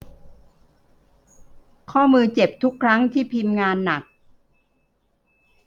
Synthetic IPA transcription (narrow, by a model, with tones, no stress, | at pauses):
kʰɔː˥˩mɯː˧t͡ɕe˨˩p̚t̪ʰu˦˥kʰːɾa˦˥ŋt̪ʰiː˥˩pʰi˧mŋaː˧nːa˨˩k̚